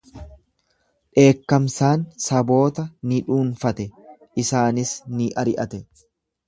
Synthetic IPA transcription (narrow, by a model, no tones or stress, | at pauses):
ᶑe̞ːkːɐmsaːnsɐbo̞ːt̪ɐnɪᶑuːnfɐt̪ɛ | ɪsaːnɪsnɪʔɐɾɪʔɐt̪ɛ